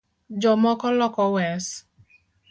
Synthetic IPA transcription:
d͡ʒɔmɔkɔlɔkɔwɛs

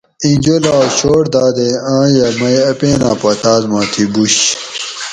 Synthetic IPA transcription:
ĩnd͡ʑolaːɕoːɽd̪aːd̪eãːjɐmɐjɐpeːna̰ːpɐt̪aːzmãːt̪ʰibuɕ

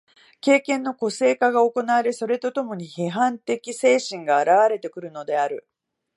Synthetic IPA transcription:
ke̞ːkẽ̞nːo̞ko̞se̞ːkaɡao̞ko̞naβɾeso̞ɾe̞t̪o̞t̪o̞mo̞ɲ̟iheɦãnt̪e̞kʲise̞ːɕĩŋɡaːɾaβaɾe̞t̪e̞kɯ̟ɾɯ̟no̞d̪e̞aɾɯ̟

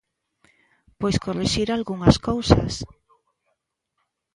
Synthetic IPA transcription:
pojskoriʃiɾalɣuŋaskowsa̰s

